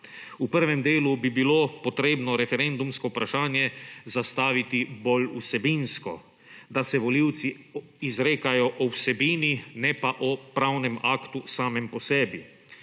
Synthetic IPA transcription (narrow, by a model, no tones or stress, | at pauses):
upəɾʋɛmd̪eːlubibiloːpɔt̪ɾeːbnɔɾɛfɛɾɛnd̪umskɔupɾaʃaːnjɛzast̪aːʋit̪ibolṵsɛbinskɔ̰ | d̪asɛʋɔliwt̪si | izɾeːkajɔʔɔwsɛbiːninɛpaʔɔpɾawnɛmakt̪usaːmɛmpɔsɛːbi